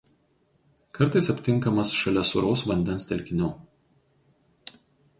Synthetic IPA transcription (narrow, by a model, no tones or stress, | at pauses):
kɐɾˑt̪ɐɪsɐpʲt̪ʲɪŋˑkɐmɐsʃɐlʲɛsʊɾoʊsʋɐnʲd̪ʲɛnst̪ʲɛlʲkʲɪnʲuː